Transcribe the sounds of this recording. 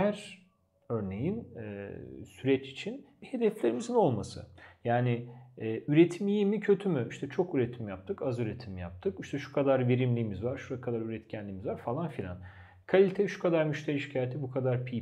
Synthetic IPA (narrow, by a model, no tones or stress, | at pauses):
hæɾ | ø̞ɾne̞jin̰ː | syɾɛt͡ʃi̥t͡ʃʰinbihe̞d̪ɛflʲe̞ɾimizino̞lˠmasɯ̰jaːnɪː | yɾet̪ʰimijimicʰø̞t̪ʰymyiʃt̪ʰɛt͡ʃʰo̞kyɾet̪ʰimjap̚t̪ʰɯkazyɾet̪ʰimja̰p̚t̪ʰɯkiʃt̪ʰɛʃu̥kʰad̪aɾve̞ɾimlʲiːmizvaɾ̥ʃuɾakʰad̪aɾyɾɛt̪cʰænlʲiːmizvaɾfalˠanfilʲa̰n | kʰalʲit̪ʰeʃu̥kʰad̪aɾmyʃt̪ʰeiʃi̥cʰaːjet̪ʰibukʰad̪aɾpʰi